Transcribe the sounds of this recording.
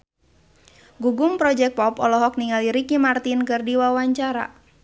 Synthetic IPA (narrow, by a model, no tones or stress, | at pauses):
ɡuɡumpɾɔd͡ʒɛk̚pɔpɔlɔɦɔk̚niŋɡaliɾikimart̪inkɨrdiwawaɲt͡ʃaɾa̰